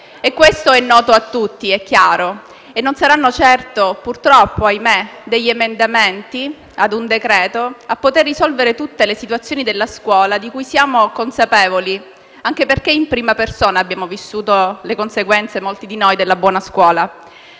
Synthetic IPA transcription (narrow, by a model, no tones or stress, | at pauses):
ekːwest̪oɛnːɔːt̪oat̪ːut̪ːiɛkːjaːɾo | enːonsaɾanːot͡ʃɛrt̪opurt̪ɾɔpːoajmed̪eʎːemend̪ament̪i | ad̪und̪ekɾɛːt̪oapːot̪erːisɔlveɾet̪ut̪ːelesit̪wat̪sːjoːnid̪elːaskwɔːlad̪ikujsjaːmokonsapeːvoli | aŋk̟eperkeimpɾiːmapersoːnaːbːjaːmovisːuːt̪olekonseɡwɛnt̪semolt̪id̪inojd̪elːabwɔːnaskwɔːla